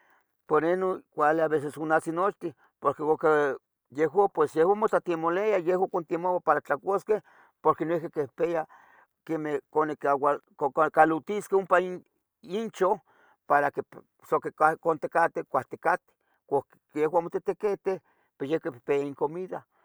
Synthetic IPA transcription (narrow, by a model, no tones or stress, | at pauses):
poɾenokʷaleaβes̬esonasinot͡ʃt̪i | poɾkeoke | jeɦwapwesjehwamot̪at̪imoleajehwakont̪imowapaɾat͡ɬakʷoskeh | poɾkenoihkekepea | kemekonekawa | okalut̪iskeumpa | int͡ʃoh | paɾake | sokekakont̪ekat̪ekʷaht̪ekat̪e̥ | kʷak | jehwamot̪et̪eket̪eh | pejehkepepeaiŋkomiða